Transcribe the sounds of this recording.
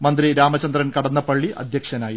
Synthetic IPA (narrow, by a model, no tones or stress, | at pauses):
mɐnd̪ɾiɾaːmɐt͡ɕɐnd̪rɐnkɐɽɐnːɐpɐɭːiɐ̰d̪ʱjɐkʂɐnaːji